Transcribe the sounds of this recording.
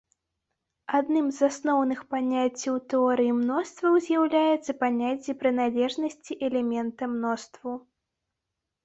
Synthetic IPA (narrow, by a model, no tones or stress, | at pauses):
ad̪nɨmzasnɔwnɨxpanʲat͡sʲːiwt̪ɛɔɾɨjimnɔst̪vɐwzʲjawlʲajɛt̪sːɐpanʲat͡sʲːipɾɨnalʲɛʐnɐsʲt͡sʲiʔɛlʲɛmʲɛnt̪ɐmnɔst̪vu